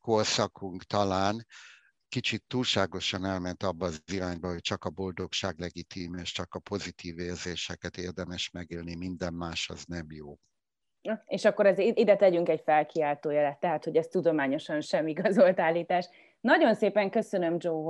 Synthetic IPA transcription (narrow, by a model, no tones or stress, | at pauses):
korsɒkʰuŋkt̪ɒlaːn | kit͡ʃit̪ːuːlʃaːɡo̞ʃɒnɛlmɛnt̪ɒbːɒːziɾaːɲbɒɦo̞c̚t͡ʃɒkɒbo̞ld̪o̞kʃaːɡlɛɡit̪iːmeːʃt͡ʃɒkɒpo̞zit̪ʰiːveːrzeːʃɛkɛt̪eːrd̪ɛmɛʃmɛɡeːlnimind̪ɛmːaːʃɒ̰znɛmjoː | eːʃɒkːoɾɛzid̪ɛt̪ɛɟyŋkɛɟfɛlkiaːlt̪oːjɛlɛt̪ːɛɦat̪ho̞ɟɛst̪ud̪o̞maːɲo̞ʃɒnʃɛmiɡɒzo̞lt̪aːlːiːt̪aːʃ | nɒɟo̞nseːpɛŋkø̞sønømd͡ʒoː